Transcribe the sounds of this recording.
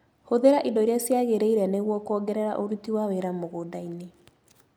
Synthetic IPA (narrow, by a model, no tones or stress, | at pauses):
hoðeɾaʔindɔiɾjasjaɣeɾeiɾɛneɣwɔkɔɡɛɾɛɾa̰ʔoɾutiwaweɾamoɣodaine